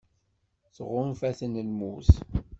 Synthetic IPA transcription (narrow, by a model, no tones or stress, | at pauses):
θʁʊnfæθənəlmuθ